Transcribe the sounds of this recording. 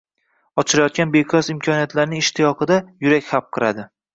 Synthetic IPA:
ɒt͡ʃʰɪɾajɒt̪̚kʲanbeqʰɒzɪmkʲʰɒnijat̪laɾnɪŋɪʃt̪ʰɪjɒqɨd̪ajʊɾakʲhap̚qʰɨɾad̪ɪ

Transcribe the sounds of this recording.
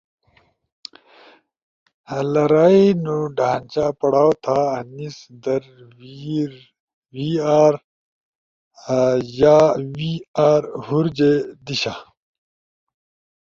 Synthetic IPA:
hɐlɐɾaːinuɖaːnt͡ɕapɐɽaːwot̪ʰaːnisd̪ɐɾ | wiaːɾ | jaːwiaːɾhuɾd͡ʑed̪iɕa

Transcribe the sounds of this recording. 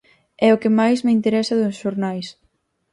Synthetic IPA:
ɛʊkɪmajsmɪint̪eɾɛsɐðʊsʃoɾnajs

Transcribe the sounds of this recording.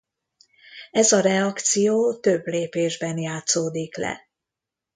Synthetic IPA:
ɛzɒɾɛɒkt̪sijoːt̪øbleːpeːʒbɛnjaːt̪soːd̪iklɛ̰

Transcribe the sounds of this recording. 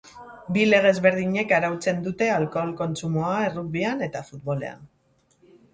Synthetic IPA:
bile̞ɣ̞e̞zβe̞ɾð̞iɲe̞kaɾawt͡se̞nd̪ut̪e̞alko̞lko̞nt͡sumo̞ae̞ruk̚βiane̞t̪afut̪̚βo̞le̞̰a̰n

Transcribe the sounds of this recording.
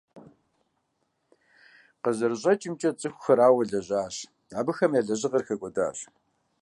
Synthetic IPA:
qəʑɐrɕʼɐt͡ʃʼɪmt͡ʃʼɐt͡sʼɨxʷxɐɾaːwɐɮɐʑaːɕ | aːbɨxɐmjaɮɐʑɪʁɐrxɐɡʷʼɔda̰ːɕ

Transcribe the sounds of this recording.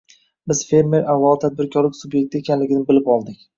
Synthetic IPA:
bɪz̥fe̞ɾme̞ɾavːalˠɪt̪ʰad̪̚bɪɾkʲʰɒɾlɪkʲsubje̞k̚ʲt̪ɪe̞kʲʰanlɪɡʲɪnɪbɪlɪpɒlˠd̪ɪkʲ

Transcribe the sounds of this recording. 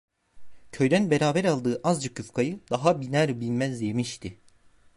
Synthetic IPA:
cʰø̞jd̪ænbeɾaːbæɾalˠd̪ɯːʔazd͡ʒakʰyfkʰajɯd̪̥aɦabinæɾbilʲmæzd̪emiʃt̪ʰi

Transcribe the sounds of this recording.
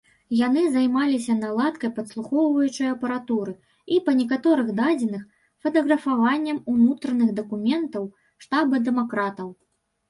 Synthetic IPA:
jan̪ɨzajmalʲis̬ʲɐnalˠat̪kɐjpɐt̪slˠuxɔwvɐjut͡ʂɐjɐɐpɐɾat̪uɾɨ | ipɐnʲɛkat̪ɔɾɨɣd̪ad͡zʲɛnɨx | fɐt̪ɐɣɾɐfavanʲːɐmunut̪ɾɐnɨɣd̪ɐkumʲɛnt̪ɐw | ʂt̪abɨd̪ɛmakɾat̪ɐw

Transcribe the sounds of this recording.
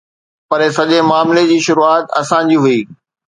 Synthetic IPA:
pɐɾesɐʄemaːmled͡ʑiːʃʊɾuaːt̪ɐ̰sã̆d͡ʑiːɦʊiː

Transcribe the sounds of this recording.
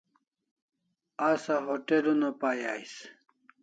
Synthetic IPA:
asaɦoʈelunopajajs

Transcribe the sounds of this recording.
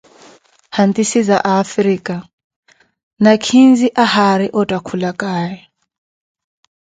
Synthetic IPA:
hant̪ʼisizaʔaːfɾiːkʼa | nakʰind͡ziʔahaɾiʔɔtʼakʰulakʼaːjɛ

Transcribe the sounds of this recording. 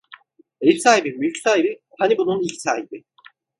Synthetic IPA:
ejisaːɦibimylʲcsaːɦibi | hanibununilʲcsaːɦibi

